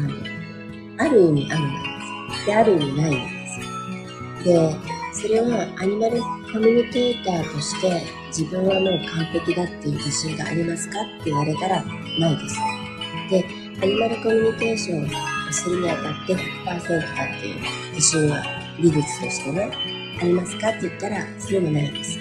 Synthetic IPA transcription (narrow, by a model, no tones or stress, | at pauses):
ano | aɾɯ̟ɲ̟ʲḭʔaɾɯ̟no̰d̪esɨ̥d̪̥e̞aɾɯ̟ɯɲ̟inain̰d̪e̞sɨ̥ | d̪e̞so̞ɾe̞aaɲ̟imaɾɯ̟ko̞mʲyɲ̟ike̞ːt̪aːt̪o̞ɕi̥t̪e̞ | d͡ʑibɯ̟̃ɰ̃βamo̞ːkʰãmpe̞kʲid̪at̪ːeɯ̟d͡ʑiɕĩŋɡa̰ːɾʲimasɨ̥kat̪ːe̞iβaɾe̞t̪aɾa | naid̪esɨ̥ | d̪̥e̞ | aɲ̟imaɾɯ̟ko̞mʲyɲ̟ike̞ːɕõ̞ɰoasɨɾiɲ̟iak̪at̪ːe̞çɯpːaːsẽ̞nt̪o̞̥kat̪ːe̞̰jɯ̰ | d͡ʑiɕĩɰɡa̰ | ɾʲiɡɯt͡sɨ̥t̪o̞̰ɕi̥t̪e̞ne̞ | aɾʲimasɨ̥kat̪ːe̞it̪ːaɾasoɾe̞monaid̪esɨ̥